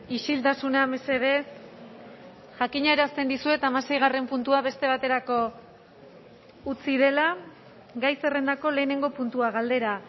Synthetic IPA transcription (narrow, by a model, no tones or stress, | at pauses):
iʃilt̪asunamese̞ðe̞ | ʝakiɲae̞ɾast̪e̞nd̪isue̞t̪amase̞jɣ̞are̞mpunt̪uaβe̞st̪e̞β̞at̪e̞ɾako̞ | ut͡sið̞e̞la | ɡajse̞re̞nd̪ako̞le̞ːne̞ŋɡo̞punt̪uaɣald̪e̞ɾa